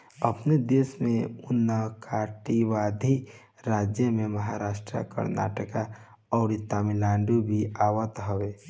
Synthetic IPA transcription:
əpned̪eːsmẽʊnːəkʰaːʈiʋaːd̪ʱi | ɾaːd͡ʒjəmẽməɦaɾaːʃʈɾə̰kə̰ɾna̰ːʈəka | ɔːɾit̪aːmilãːɳɖubʱiaːwət̪ɦəʋeː

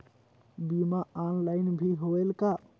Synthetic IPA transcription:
bimaanlajnbʱiɦoelka

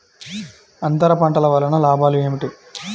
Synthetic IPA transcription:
ɐnt̪ɐɾɐpɐɳʈɐlɐʋɐːlːɐnɐlaːbʱaːlue̞ːmiʈi

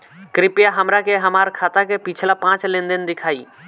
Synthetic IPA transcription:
kɾɪpɪjaɦəmɾakeɦəmaːɾkʰaːt̪akepit͡ʃʰlapãːt͡ʃlẽnd̪ənd̪ɪkʰaːiː

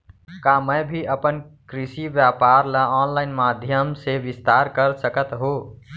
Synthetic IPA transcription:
kaməjbʱiʔəpənkɾisiʋjapaɾləɔnlaɪnmad̪ʱjəmseʋist̪aɾkəɾsəkət̪ɦo

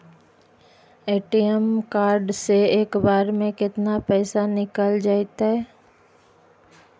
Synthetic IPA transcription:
eːʈiəmkaːɾɖseeːkbaːɾmẽkɪt̪napɛːsanɪkəld͡ʒaːet̪aɦɛː

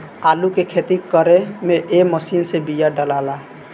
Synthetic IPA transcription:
alukekʰet̪ikəɾemeʔeməsinsebijaɖəlala

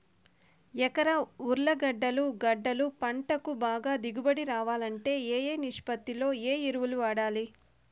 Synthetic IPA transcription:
ɛkɐɾɐuɾlɐɡɐɖːɐluɡɐɖːɐlupɐɳʈɐkubaːɡaːd̪iɡubɐɽiɾaːʋaːlɐɳʈe̞ːeːjeːniʂpɐt̪ːilo̞ːeːiɾuʋuluʋaːɽaːli

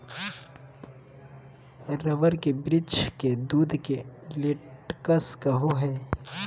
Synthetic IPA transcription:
ɾəʋəɾkebɾɪd͡ʒked̪uːd̪ʱkelɪʈkəskɐɦoɦɛː

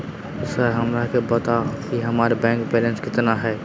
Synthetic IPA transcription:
səɾɦɐmɾakʰebɐt̪akiɦɐmaːɾebɛ̃ːŋkpɛːlẽnskɪt̪naɦɛː

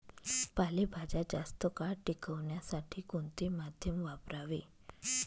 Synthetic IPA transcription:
palebʱad͡ʑad͡zast̪əkaɽʈikəʋɳjasaʈʰiːkoɳt̪emad̪ʱjəmʋapɾaʋe

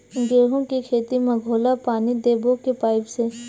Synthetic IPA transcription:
ɡeːɽɦõkikʰeːt̪imɐɡʱoːlapaːnid̪eːbokepaːɪbse

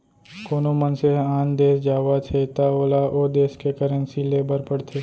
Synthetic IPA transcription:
koːnomənseaːnd̪eːsd͡ʒaːʋat̪ʰet̪aoːlaʔoːd̪eːskekəɾənsileːbəɾpəɽt̪ʰeː

